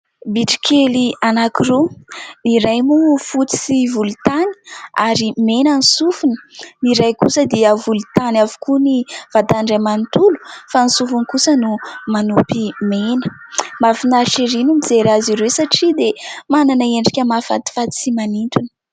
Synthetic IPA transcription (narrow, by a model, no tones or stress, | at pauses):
biʈ͡ʂi̥kʰelianakiɾuniɾajmufut͡si̥sivulut̪ani̥aɾimenanisufunə̥niɾajkusəd̪eəvulut̪anavu̥kʰuniv̥at̪aɳɖ͡ʐajmant̪ulu̥fanisufunikusənumanupimenə | mafinaɾʃiɾinumizeɾaziɾewsaʈ͡ʂid̪emananəeɳɖ͡ʐikʲəmafa̰t̪i̥fat̪i̥simaniɳʈ͡ʂunə̥